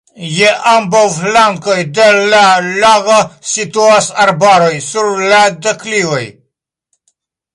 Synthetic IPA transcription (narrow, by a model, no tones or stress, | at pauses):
jeʔambawflaŋkojd̪elalaɡasit̪uasaɾbaɾojsuɾlad̪eklivoj